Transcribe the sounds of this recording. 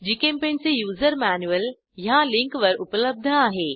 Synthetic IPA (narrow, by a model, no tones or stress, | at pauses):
d͡ʑikẽːmpẽːnsejuːzəɾmɛːnjuəl | jãlɪ̃ŋkʋɐɾʊpələb̚d̪ʱəaːɦeː